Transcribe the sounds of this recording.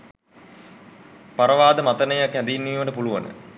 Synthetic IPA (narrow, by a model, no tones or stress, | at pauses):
paɾəʋaːd̪əmat̪ənəjakɦɛnd̪iinːiːʋəʈəpuluʋə̰nə̰